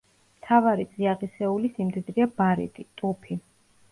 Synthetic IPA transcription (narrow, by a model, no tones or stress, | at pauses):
mt̪ʰavaɾit̪sʼiaʁisɛulisimd̪id̪ɾiabaɾḭt̪ʼit̪ʼupʰi